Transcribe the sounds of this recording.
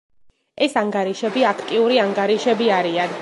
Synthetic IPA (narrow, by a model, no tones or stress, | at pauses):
ɛsaŋɡaɾiʃɛbiakʰt̪ʼiuɾiaŋɡaɾiʃɛbiaɾian